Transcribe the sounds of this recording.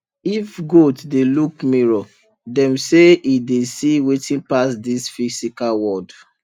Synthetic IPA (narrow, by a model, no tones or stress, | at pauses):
ifɡotdelukmiɹɔ | dɛ̃mseidesiwetĩnpasdisfisikalwɔd